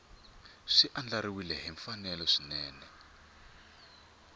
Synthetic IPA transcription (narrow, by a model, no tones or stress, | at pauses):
ʂiʔand͡ɮaɾiwilɛɦɛɱfanɛlɔʂinɛːnɛ